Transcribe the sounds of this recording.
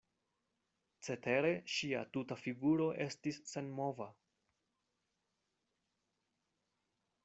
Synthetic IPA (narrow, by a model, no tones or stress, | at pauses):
t͡se̞te̞ɾe̞ʃia̰tutafiɡuɾo̞ʔe̞stisːe̞nmo̞va